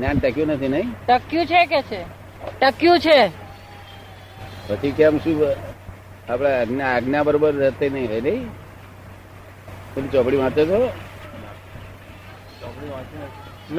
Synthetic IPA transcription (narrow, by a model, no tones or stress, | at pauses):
nanʈəkjũnət̪ʰinəɦĩʈəkjũt͡ʃʰeket͡ʃʰe | ʈəkjũt͡ʃʰe | pət͡ʃʰikɛmʃu | apɽaːɡnaːɡnabəɾobəɾd͡ʒət̪enəɦĩəjnəi | tənit͡ʃɔpɽiʋãt̪et̪o | t͡ʃɔkɽiʋãt͡ʃen | n